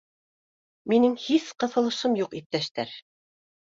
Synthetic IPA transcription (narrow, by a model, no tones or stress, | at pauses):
minɘŋhiθqɤ̆θɤ̆lˠɤ̆ʃɤmjuqip̚t̪æʃt̪æɾ